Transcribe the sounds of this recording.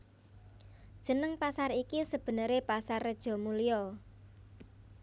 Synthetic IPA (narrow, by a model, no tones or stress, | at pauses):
d̥ʒ̥ə̤nəŋpasarikisəb̥ə̤nəɾepasarːəd̥ʒ̥ɔ̤mulijɔ